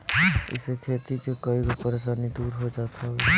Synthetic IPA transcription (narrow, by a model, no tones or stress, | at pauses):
ɪ̰sekʰet̪ikekəikopəɾes̬anid̪uɾɦod͡ʒat̪ʰɔ